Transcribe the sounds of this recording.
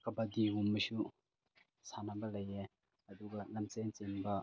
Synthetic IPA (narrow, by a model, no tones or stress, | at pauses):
kɐbad̪iumːəʃu | sanabɐlɐjɛ | ɐduɡalɐmt͡sɛnt͡sɛnba